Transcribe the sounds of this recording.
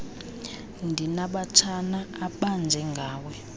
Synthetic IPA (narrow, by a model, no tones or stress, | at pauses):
ndʱinaɓatʰanaːɓand͡zʱɛŋɡʱaːwɛ